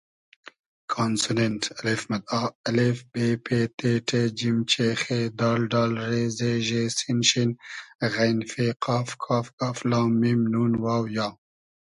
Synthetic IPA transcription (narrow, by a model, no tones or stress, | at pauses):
kʰaːnsunenʈɐlefmɐd̪̚ɑːɐlefb̥epʰet̪ʰeːʈʰed͡ʒimt͡ʃexed̪ɑːlɖɑːlɾezeʒesinʃinɣajnfeqɑːfkʰaːfkaflɑːmːimnunwaːwjɑː